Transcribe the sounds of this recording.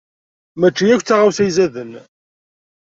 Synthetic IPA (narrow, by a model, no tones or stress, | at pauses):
mæt͡ʃːijækʷːt͡sːaʁawsæjzæðən